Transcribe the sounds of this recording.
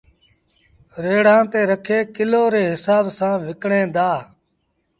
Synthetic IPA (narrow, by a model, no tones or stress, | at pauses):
ɾeːɽ̤ãːt̪eːɾəkʰeːkɪloːɾeːɦɪsaːbsãːʋɪkɳẽːd̪aː